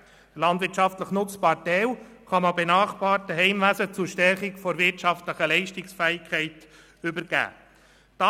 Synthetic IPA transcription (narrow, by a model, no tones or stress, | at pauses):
d̥əlɑndʋɪɾtt͡ʃʃɑftləχnʊspɑtɛwχɑmɑbenɑːχb̥ɑːɾtəɦɛɪmʋæsət͡suɾʃtɛɾχɪkfɔɾvɪɾtʃɑftləχəlɛɪʃtɪksfæːɪkʰχɛɪt | ʏbəɾɡ̥æ̰ː | d̥ɑ